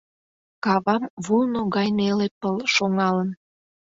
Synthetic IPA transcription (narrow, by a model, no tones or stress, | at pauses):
kɑβɑmβulnoɣɑjnelepəlʃoŋɑlən